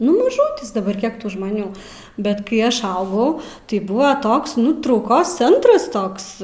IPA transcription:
nʊ mɐˈʒʊtʲɪs dɐˈbɐr ˈkʲiɛk ˈtuː ʒmɐˈnʲuː ˈbʲɛt kɐɪ ˈɐʃ ˈɐʊɡɐʊ tɐɪ ˈbʊʋoː ˈtoːks ˈnʊ trɐʊˈkoːs ˈt͡sʲɛntrɐs ˈtoːks

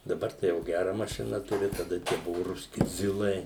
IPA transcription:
dɐˈbɐr tɐɪ jɛʊ ˈɡʲærɐ mɐˈʃʲɪnɐ ˈtʊrʲɪ tɐˈdɐ tʲiɛ ˈbʊʋʊ rʊsʲˈkʲɪ ˈzʲɪlˠɐɪ

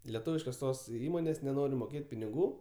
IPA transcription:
lʲɛˈtuːʋʲɪʃkoːs ˈtoːs ˈiːmoːnʲeːsʲ nʲɛˈnoːrʲɪ moːˈkʲeːtʲ pʲɪnʲɪˈɡuː

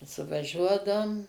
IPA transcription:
sʊʋɐˈʒʲuɔdɐʊm

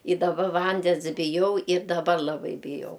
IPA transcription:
ɪ dɐˈbɐ ˈʋɐnʲdʲɛns bʲɪˈjɛʊ ɪr dɐˈbɐr lˠɐˈbɐɪ bʲɪˈjɛʊ

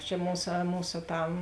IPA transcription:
t͡ʃʲɛ ˈmuːsɐ ˈmuːsɐ ˈtɐm

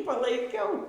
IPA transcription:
pɐlˠɐɪˈkʲɛʊ

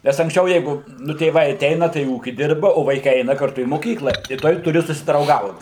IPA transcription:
nʲɛs ɐŋksʲˈt͡ʃʲɛʊ ˈjɛɪɡʊ nʊ tʲeːˈʋɐɪ ɐˈtʲɛɪnɐ tɐɪ ˈuːkʲɪ ˈdʲɪrbɐ oː ʋɐɪˈkɐɪ ˈɛɪnɐ kɐrˈtʊ iː moːˈkʲiːklˠɐ ɪ ˈtuɔj tʊˈrʲɪ sʊsʲɪdrɐʊˈɡɐʊt

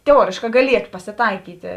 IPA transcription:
tʲɛˈuɔrʲeːʃkɑː ɡɐˈlʲiɛtoː pɐsʲɪˈtɐɪkʲiːtʲeː

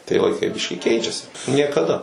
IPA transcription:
tɐɪ lˠɐɪˈkɐɪ ˈbʲɪʃʲkʲiːˈkʲɛɪt͡ʃʲɛsʲɪ nʲiɛkɐˈdɐ

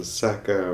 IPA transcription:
ˈsɑːkɐ

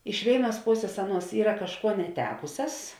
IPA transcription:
ɪʃ ˈʋʲeːɪˌnuɔs ˈpoːsʲeːs ˈɑːˌnuɔs ˈiːrɐ kɐʃˈkuɔ nʲɛˈtʲæːkʊsʲɛs

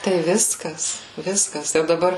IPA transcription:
tɐɪ ˈʋʲɪskɐs ˈʋʲɪskɐs jɛʊ dɐˈbɐr

